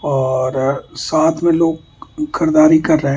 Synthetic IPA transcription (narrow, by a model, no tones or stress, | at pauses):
ɔːɾsaːt̪ʰmẽloːɡ̚ | kʰɐɾd̪aːɾikɐɾːəɦẽ